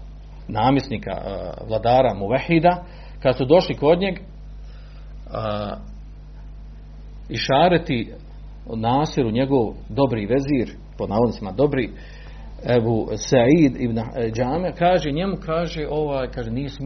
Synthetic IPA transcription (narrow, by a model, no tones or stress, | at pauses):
naːmje̞sniːka̰ʋlˠad̪aːɾamuʋahːid̪a | kad̪sud̪o̞ʃliko̞d̪ɲe̞ɡ | iʃaːɾet̪i | naːsiɾuɲe̞ɡo̞ʋd̪o̞bɾiːʋeziːɾ | ponaonsimad̪o̞bɾiː | ebuːsaʕiːd̪ibnd͡ʒaːmiɾakaːʒe̞ɲe̞mukʰaːʒeʔo̞ʋaːjkaːʒeniːsm